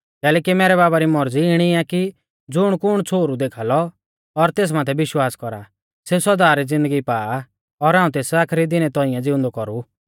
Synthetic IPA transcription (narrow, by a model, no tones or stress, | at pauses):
kɛːlɛːkimɛːɾɛβaːbaɾimɔɾd͡ziɪɽ̃iaki | d͡zʊɽ̃kʊɽ̃t͡sʰoːɾud̪eːkʰaːlɔ | ɔɾt̪eːs̬maːt̪ʰɛbɪʃwaːskɔɾa | sesɔd̪aːɾid͡zɪ̃nd̪əɡipaːa | ɔɾãːũt̪eːsaːkʰɾid̪ɪnɛt̪ɔ̃ːijãd͡zɪʊ̃nd̪ɔkɔɾu